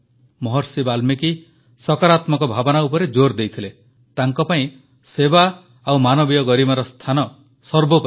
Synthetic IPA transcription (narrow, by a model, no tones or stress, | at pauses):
mɔɦɔɾsibalmeki | sɔkaɾat̪mɔkɔbʱabɔnaupɔɾed͡ʒoɾd̪ejt̪ʰile | t̪aŋkɔpaĩ | seba | awmanɔbijɔɡɔɾimaɾɔst̪ʰanɔ | sɔɾbopɔ